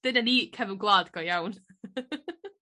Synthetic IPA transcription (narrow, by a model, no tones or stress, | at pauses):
d̥ɪnəniːkʰɛvənɡlˠaːd̥ɡ̥ɔjawn